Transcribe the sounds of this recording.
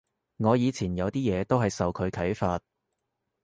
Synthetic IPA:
ŋɔː˨˧jiː˨˧t͡sʰiː˨˩njɐ˨˧wt̪iː˥jɛː˨˧t̪o˥wɦɐ˨jsɐ˨wkʰɵ˨˧ɥkʰɐ˨˥jfaː˧t̚

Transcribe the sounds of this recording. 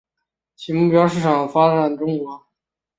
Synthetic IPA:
t͡ɕʰi˧˥mu˥˩pjɑ˥ʊʂ̬ɻ̩˥˩ʈ͡ʂʰɑ˨˩ŋfa˥ʈ͡ʂa˨˩nʈ͡ʂ̪ʊ˥ŋkwɔ˧˥

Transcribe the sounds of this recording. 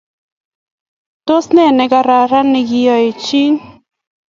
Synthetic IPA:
to˦snɛ˦˨nɛ˨˦ɡa˨ɾa˨ɾa˦nɪ˨ɡɪ˦jɔ˨e˨t͡ʃi˦n

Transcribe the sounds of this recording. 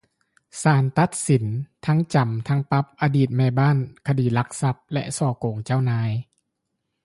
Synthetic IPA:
saː˨˩˦nt̪a˧˦˥t̪̚si˨˩˦nt̪ʰa˦˥ŋt͡ɕa˨˩mt̪ʰa˦˥ŋpa˦˥p̚ʔaː˧diː˨˩t̪̚mɛː˧˩baː˥˨nkʰa˧diː˨˩˦la˧˦˥k̚sa˧˦˥p̚lɛ̰˧˥ʔsɔː˧˩koː˨˩˦ŋt͡ɕaː˥˩wnaː˧˥j

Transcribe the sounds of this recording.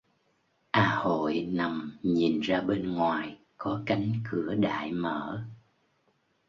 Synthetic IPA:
ʔaː˧ho̰˧˨jna˨˩mɲi˨˩nzaː˧ɓe˧nŋwaː˨˩j | kɔ˨˦ka˨˦jŋ̟kɨ˧˩əɗa̰ː˧˨jmə̰ː˧˩˥

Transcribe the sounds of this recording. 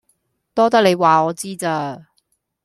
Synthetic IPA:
t̪ɔː˥t̪ɐ˥k̚le˨˧jwaː˨ɔː˨˧t͡siː˥t͡saː˧

